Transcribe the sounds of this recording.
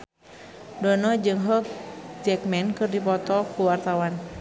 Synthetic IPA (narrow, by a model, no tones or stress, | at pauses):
dɔnɔd͡ʒɨŋɦɔk̚d͡ʒɛkmɛnkɨrdipɔt̪ɔkuwart̪awan